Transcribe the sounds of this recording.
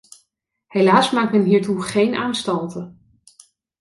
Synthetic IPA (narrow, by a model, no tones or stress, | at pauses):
hejlaːsmaːk̚tmɛnɦiːɹtuχejnʔaːnstɑntə